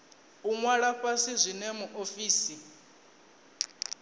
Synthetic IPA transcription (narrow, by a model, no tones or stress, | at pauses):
uŋwaɺaɸasizʷinɛmuʔofiːsi